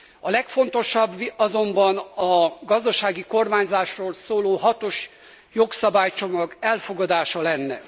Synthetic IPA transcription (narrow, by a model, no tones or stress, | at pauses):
ɒlɛkfo̞nt̪o̞ʃɒbɒzo̞mbɒnɒɡɒzd̪ɒʃaːɡiko̞rmaːɲzaːʃroːlsoːloːɦɒt̪o̞ʃ | joksɒbaːjt͡ʃo̞mɒɡɛlfo̞ɡɒd̪aːʃɒlɛnːɛ̰